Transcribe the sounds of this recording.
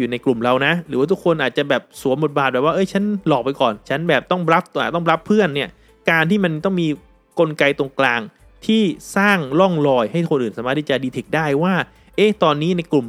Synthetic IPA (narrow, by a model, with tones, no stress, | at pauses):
juː˨˩na˧jklu˨˩mɾa˧wna˦˥ɾɯː˩˦waː˥˩t̪ʰu˦˥kʰo˧nʔaː˨˩t͡ɕa˨˩bɛː˨˩p̚su˨˩˦nmbo˨˩t̪̚baː˨˩bɛː˨˩p̚waː˥˩ʔɤ˦˥jt͡ɕʰa˦˥nlɔː˨˩k̚pa˧jkɔː˨˩nt͡ɕʰa˦˥nbɛː˨˩p̚t̪ɔ˥˩ŋɾa˦˥p̚t̪aː˨˩t̪ɔ˥˩˧ɾa˦˥pʰːɯ˥˩ənːi˥˩ə | kaː˧nt̪ʰiː˥˩ma˧nt̪ɔ˥˩ŋmiː˧ | ko˧nka˧jt̪o˧əŋklaː˧ŋ | t̪ʰiː˥˩saː˥˩ŋlɔ˥˩ŋlɔː˧jha˥˩jkxʰo˧nʔɯː˨˩nsaː˩˦maː˥˩t̪ʰːi˥˩t͡ɕa˨˩diː˧t̪ʰe˨˩k̚daː˥˩jwaː˥˩ | ʔe˦˥t̪ɔː˧nːiː˦˥na˧jklu˨˩m